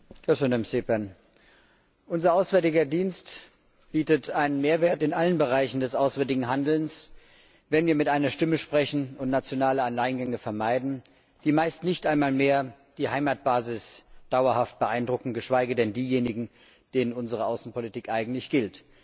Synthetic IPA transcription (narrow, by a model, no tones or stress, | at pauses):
ɡ̥ɛsønamsepɛn | ʔʊnzɐʔaʊsvɛɐtɪɡɐdiːnst | b̥iːtətʔaɪnənmeːɐveːɐtɪnʔalənbəʁ̞aɪçn̩dɛsʔaʊsv̥ɛɐtɪɡŋ̩ɦandl̩ns | vɛnviːɐmɪtʔaɪnɐʃtɪməʃpʁ̥ɛçn̩ʊntnat͡sjonaːləanlaɪnɡɛŋəfɛɐmaɪdn̩ | d̥iːmaɪstnɪçtʔaɪnmaːlmeːɐ | d̥iːhaɪmaːt̚b̥aːzɪsd̥aʊɐhaft̚b̥əʔaɪndʁʊkŋ̩tɡ̥əʃv̥aɪɡədɛndiːjeːnɪɡŋ̩ | d̥eːnənʊnzəʁ̞əʔaʊsn̩politiːkʔaɪɡŋ̩tlɪçɡ̥ɪlt